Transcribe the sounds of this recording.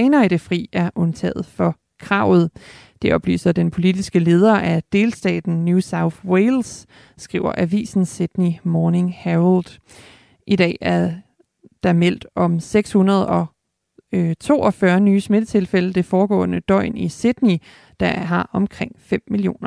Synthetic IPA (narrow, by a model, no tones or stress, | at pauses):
ɛːnɐid̥e̝fʁḭːæɐʔɔ̽nt͡sʰɛ̰ːð̩ˠfɒ̽ | kʰʁɑ̈ʊ̰ð̞̩ˠ | d̥e̝ʔɒ̽b̥ly̰ːsɐd̥enpʰo̝lidisɡ̥əle̝ːð̞ˠɐʔæd̥e̝ːlsd̥ɛ̰ːd̥n̩njusäʊθweɪlsː | ɡ̥ʁḭʊɐ̰ʔæʋḭːsn̩sed̥nimɒːne̝ŋhæld̥ | ʔid̥ɛ̰ːæɐ | d̥ɑ̈mel̰d̥ɒ̽mseɡ̥shunɐð̞̩ˠɒ̽ | t͡sʰo̝̰ːɒ̽fɶɐnyːsme̝d̥ət͡sʰe̝lfeləd̥e̝fɒːɡ̥ɔ̰̽ːnəd̥ɒ̽ɪ̰nised̥ni | d̥ɑɦɑ̈ʔɒ̽mkʰʁeŋ̰fem̰mːilio̝̰ːnɐ